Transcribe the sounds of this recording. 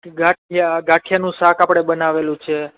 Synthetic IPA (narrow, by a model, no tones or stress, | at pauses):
ɡaʈ̚ʰjaɡaʈʰijanũsakapɽ̃ebənaʋelũt͡ʃʰe